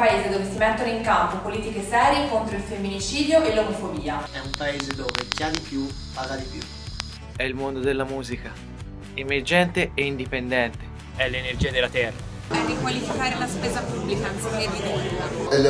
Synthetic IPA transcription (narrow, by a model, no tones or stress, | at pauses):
aeːzed̪oːvesimet̪ːonoiŋkampopoliːt̪ikesɛːɾjekont̪ɾoilfemːinit͡ʃiːd̪joʔelːomofobiːaɛumpaeːzed̪oːved͡ʒad̪ipju | paɡad̪ipjṵ | ɛilmond̪od̪elːamuːzika | emerd͡ʒɛnt̪eeind̪ipend̪ɛnt̪e̥ | ɛlːenerd͡ʒiːad̪elːat̪ɛrːa | ɛrːikwalifikaːɾelaspeːzapubːlikansiked̪id̪ɛɾaelː